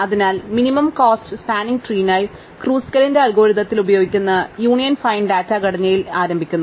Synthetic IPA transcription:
ɐðinaːlminimɐmkoːstɨsaːniŋɡʈriːnaːji | kruːskɐlindeɐlɡo̞ːɾiðɐt̪ːilubɐjoːɡikʲːunːɐjuːɳijɐnfɐjnɖaːtːɐɡɐɽɐɲːɐjilaːɾɐmbʱikʲːunːu

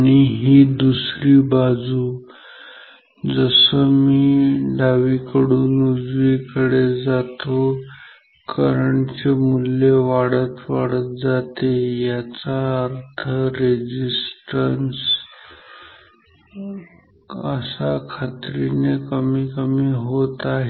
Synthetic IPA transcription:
aɽ̃iɦiːd̪usɾiːbad͡zuː | d͡zəsəmiːɖaʋikəɽuːnud͡zʋikəɽed͡zat̪o | kəɾəɳt͡semuljeʋaɽət̪ʋaɽət̪̚d͡zat̪ejat͡saəɾt̪ʰəɾed͡ʑisʈəns | əsakʰat̪ɾinekəmiːkəmiːɦot̪aɦe

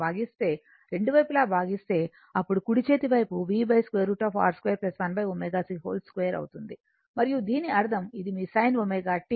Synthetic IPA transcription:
aːɡist̪e̞ː | ɾe̞ɳɖuʋɐjpulaːbʱaːɡist̪e̞ː | ɐpːuɽukuɽit͡ʃe̞ːt̪iʋɐjpuʋiːbɐjskʋejɐɾuːʈaːfa̰ːɾskʋejɐɾplɐsʋɐnbɐjoːmeːɡaːsiɦo̰ːlskʋejɐɾɐ̰wut̪und̪i | mɐɾijud̪iːniɐɾd̪ʱɐmid̪imiːsɐjnʋomeːɡaːʈːi

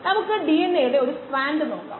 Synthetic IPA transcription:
nɐmukːɨɖienːejuɽeo̞ɾusʈraːnɖɨnoːɳɖa̰

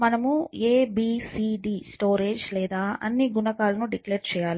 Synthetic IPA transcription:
mɐnɐmueːbiːsiːɖiːsʈo̞ːɾeːd͡ʒlɛːd̪aːʔɐ̰nːiɡunɐkaːlɐnuɖikleːɾt͡ʃɛːjaːli

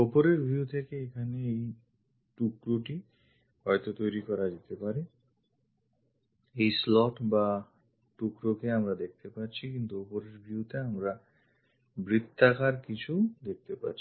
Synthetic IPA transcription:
opoɾeɾbʱiut̪ʰekeekʰaneej | ʈukɾoʈi | hɔjt̪ot̪ojɾikɔɾad͡ʑet̪epaɾe | ejslɔʈba | ʈukɾokeamɾad̪ek̚t̪epaɾt͡ɕʰikint̪uopoɾeɾbʱiut̪eamɾa | bɾit̪ːakaɾkit͡ɕʰud̪ek̚t̪epa̰ɾt͡ɕʰi̥

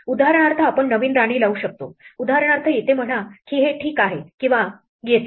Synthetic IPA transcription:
ud̪aɦaɾəɳ̃aɾt̪ʰaːpəɳːəʋiːnɾaɽ̃iːlauːɕək̚t̪o̰ud̪aɦaɾəɳ̃aɾt̪ʰəjet̪em̤əɽakiːɦeʈʰiːkaɦekĩw̃ʋa | ɡet̪

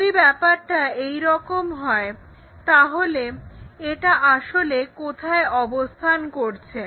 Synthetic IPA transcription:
ibɛpaɾʈaejɾɔkomɦɔe | t̪aɦoleeʈaʔaʃolekot̪ʰaeɔbost̪ʰankoɾt͡ɕʰe

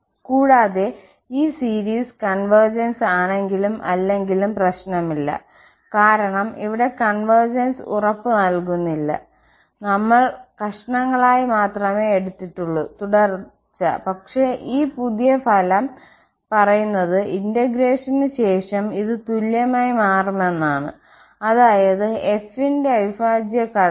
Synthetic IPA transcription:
kuːɽaːðe̞ | iːsiːɾiːskɐɳʋɐrd͡ʑɐnsaːɳe̞ŋɡilumʔɐ̰lːe̞ŋɡilumprɐɕnɐmilːɐ̰ | kaːɾɐɳɐmḭʋiɽe̞kɐɳʋɐrd͡ʑɐnsṵrɐpːɨnɐlkunːilːɐ̰ | nɐmːɐɭkɐʂɐɳɐŋːɐɭaːjimaːt̪rɐme̞ːeɽut̪ːiʈːuɭːut̪uɽɐr | t͡ɕːɐ̰pɐkʂe̞ʔiːpuðijɐfʰɐlɐm | pɐrɐjunːɐðɨʔindɐɡɾe̞ːʂɐnɨɕe̞ːʂɐmiðɨt̪uljɐmaːjimaːrume̞nːaːɳɨ̰ | ɐðaːjɐðɨe̞finde̞ɐʋifaːd͡ʑjɐkɐ

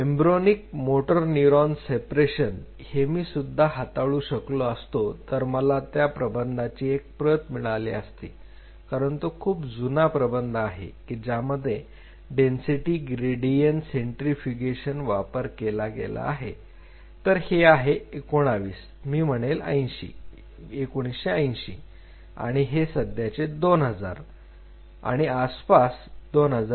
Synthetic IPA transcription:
embɾonik̚moʈəɾniuɾɔnsepɾeɕən | hemiːsud̪ʱːaɦat̪aɭuːɕəkloəst̪ot̪əɾməlat̪japɾəbənd̪ʱat͡ɕiːek̚pɾət̪miɭalḭə̰st̪ḭː | kaɾəɳt̪okʰuːpd͡zunapɾəbənd̪ʱaɦḛkid͡ʑaməd̪ʱːje | ɖensiʈiːɡɾeɖijənseɳʈɾifikeɕənʋapəɾkelaɡḛla̰ːɦḛ | t̪əɾheaɦeekoɽ̃aʋiːs | miːm̤əɽ̃elə̰jnɕḭː | ekoɽ̃isɕeəjnɕḭː | a̰ɽ̃iɦesəd̪ʱjat͡sed̪onɦəd͡za̰ɾ | a̰ɽ̃iaspasd̪onɦəd͡za

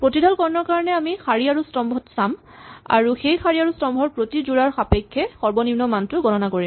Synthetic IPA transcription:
pɹotidʱɔlkɔɹɔnɔɹkaɹɔnɛamixaɹiaɹustɔmbʱɔtsam | a̰ɹuxejxaɹiaɹustɔmbʱɔɹpɹotizuɹaɹxapekʰːɛxɔɹbɔnimnɔmantʊɡɔnɔnakoɹim

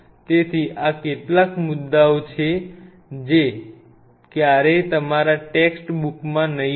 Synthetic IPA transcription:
t̪et̪ʰiʔakeʈlakmʊd̪ːaot͡ʃʰe | d͡ʒe | kjaɾet̪əmaɾaʈeksʈbukmãnəɦ

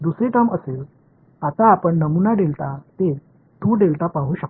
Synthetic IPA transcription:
d̪usɾeʈəməsel | at̪aːpəɳnəmunaɖelt̪at̪e | t̪uɖelt̪apaɦuːɕək̪̚

